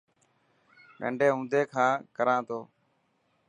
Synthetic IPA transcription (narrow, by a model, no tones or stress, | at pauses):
ɗə̰̃ɳɖeːɦũːnd̪ʱeːkʰãːkəɾãːt̪ʰoː